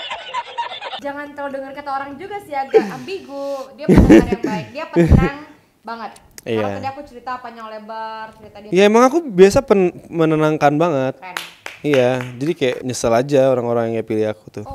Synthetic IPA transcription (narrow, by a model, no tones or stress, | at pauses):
d͡ʒaŋant̪əɾadəŋərkat̪aoɾaŋd͡ʒuɡasiaɡabiɡudi | diapəŋ | baŋət̪̚ | ijaiakut͡ʃəɾit̪apaɲaŋlebərt͡ʃəɾit̪aijaemaŋakubiasapənmənənaŋkanbaŋət̪̚ijad͡ʒadikaja̰ʔɲəsəlad͡ʒaoɾaŋoɾaŋjaŋjapiliakut̪ʊ